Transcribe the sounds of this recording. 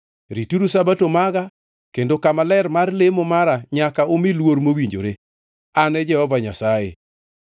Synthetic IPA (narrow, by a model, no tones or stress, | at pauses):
ɾitiɾusabatomaɡa | kendokamalɛrmarlemomaɾaɲakaomɪlwoɾmowiɲd͡ʒo̰ɾe | anɛd͡ʒɛhɔvaɲa̰sajḛ